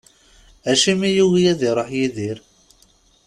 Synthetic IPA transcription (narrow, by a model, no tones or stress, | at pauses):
æʃimijuwijæðiɾˤɑħjiðiɾ